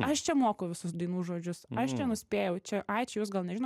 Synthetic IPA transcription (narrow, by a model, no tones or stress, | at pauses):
ɐʃt͡ʃʲɛmoːkoʊʋʲɪsʊsd̪ɐɪnuːʒoːd͡ʒʲʊsɐʃt͡ʃʲɛnʊsʲpʲeːjɛʊt͡ʃʲɛʔɐɪt͡ʃʲɛjuːs̬ɡɐlˠnʲɛʒʲɪnː